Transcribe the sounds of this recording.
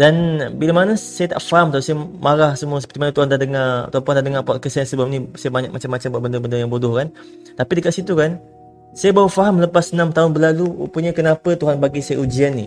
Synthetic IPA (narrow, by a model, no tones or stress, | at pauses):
danbilamanasajat̪a̰ʔfaɦamt̪usajamaɾahsəmuəs̬əpə̥t̪imanət̪uɦand̪adəŋat̪uɦant̪uɦandahdəŋaʔpaaʔkəsaansəbap̚nĩsajabaɲak̚mat͡ʃamːat͡ʃambuaʔbəndəbəndəjaŋbodʊhkan | t̪apidəkat̪sit̪ukan | sajabawəfaɦamləpasənãmt̪aʊnbəlalṵpuɲakənapət̪uɦanbaɡisajəud͡ʒianːḭ